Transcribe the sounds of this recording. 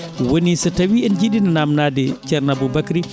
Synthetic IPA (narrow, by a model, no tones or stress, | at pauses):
wonisatawiɛnd͡ʒiɗinanamnaːdɛt͡ʃɛɾnabubakɾi